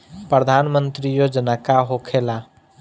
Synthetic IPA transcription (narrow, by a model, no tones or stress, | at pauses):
pɾəd̪ʱanmənt̪ɾijod͡ʒənəkaɦokʰela